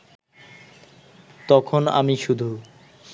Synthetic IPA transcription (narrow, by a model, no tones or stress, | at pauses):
t̪ɔkʰona̰miʃud̪ʱu